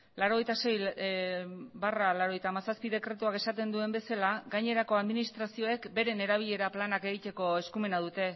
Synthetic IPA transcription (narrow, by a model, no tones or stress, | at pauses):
laɾo̞ɣe̞jt̪ase̞j | baralaɾo̞e̞jt̪aːmasaspiðe̞kɾe̞t̪uake̞sat̪e̞nd̪ue̞mbe̞salaɡaɲe̞ɾako̞aðminist̪ɾasio̞e̞kbe̞ɾe̞ne̞ɾaβiʎe̞ɾaplanake̞ɣit̪e̞ko̞e̞skume̞nað̞ut̪e̞